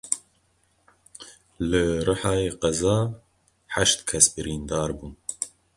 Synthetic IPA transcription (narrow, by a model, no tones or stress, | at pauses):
lɨrɨħɑːjeːqɐzɑː | ħaʃt̪kʰɛsbɨɾiːnd̪ɑːɾbuːn